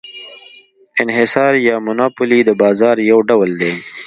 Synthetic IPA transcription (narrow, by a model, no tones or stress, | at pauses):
ɪnɦɪsɑːɾjɑːmʊnaːpʊlid̪əbɑːzɑːɾjawɖawəld̪eː